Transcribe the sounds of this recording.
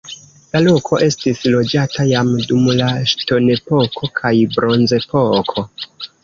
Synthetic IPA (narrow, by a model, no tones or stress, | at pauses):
lalokʰo̞ʔe̞stislo̞d͡ʒatajamdumlaʃto̞ne̞po̞kʰo̞kʰajbɾo̞nze̞po̞kʰo̞